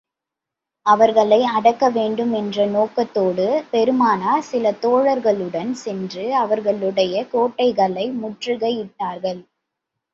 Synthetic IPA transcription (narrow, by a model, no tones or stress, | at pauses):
ɐʋɐɾɣɐɭɐɪɐɽɐkːɐʋeːɳɖɯmɛndrɐnoːkːɐt̪ːoːɽɯpɛɾɯmaːnaːsɪlɐt̪oːɻɐɾɣɐɭɯɽɐnsɛndrɯɐʋɐɾɣɐɭɯɽɐjɐkoːʈːɐɪɣɐɭɐɪmʊʈrɯɣɐjɪʈːaːɾɣɐɭ